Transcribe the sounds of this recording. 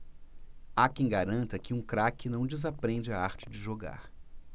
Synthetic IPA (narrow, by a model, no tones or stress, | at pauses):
akẽj̃ɡaɾɐ̃nt̪ɐkɪũkɾakɪnɐ̃w̃d͡ʒɪzapɾẽd͡ʒɪaaɾt͡ʃɪd͡ʒɪʒoɡa̰ɾ